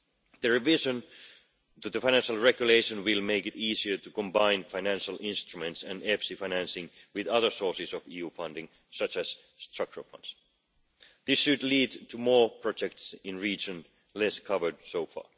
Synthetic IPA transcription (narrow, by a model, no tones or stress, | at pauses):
ðɨɹɛvɪʒə̃n | tɨðəfãɪnæ̃nʃəlˠɹɛɡjʉleɪʃə̃nwɪlˠmeɪkɪtiːsiə˞tɨkɔ̃mbãɪ̃nfaɪnæ̃nʃəlˠʔɪ̃nst̪ɹ̥umɛ̃ntsæ̃nɛfsifaɪnæ̃nsɪ̃ŋwɪðʌðə˞sɔɹsɪsɔviːjuːfʌ̃ndɪ̃ŋ | sʌt͡ʃæs | stɹʌk̚t͡ʃəɹ̰fʌ̰̃nd̥s | ðɪsʃɨdliːdtʰumɔːɹpʰɹ̥ɔd͡ʒɛk̚tsɪ̃nɹiːd͡ʒə̃n | lɛskʰʌvə˞dsoʊfɑ̰ː